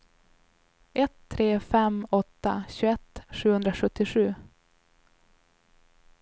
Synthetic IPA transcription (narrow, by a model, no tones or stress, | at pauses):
ʔɛt̪ʰːɾeːfɛmɔt̪ːa̰ɕʉːɛt̪ːʂʉ̟ːhɵnd̪ɾaɧɵt̪ːɪʂʉ̟ː